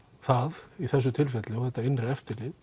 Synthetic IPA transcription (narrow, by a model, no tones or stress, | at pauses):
θaðiθɛsːʏt̪ʰɪlfɛt̪lɪɔɣθɛht̪ːaɪnɾaɛft̪ɪɾlɪð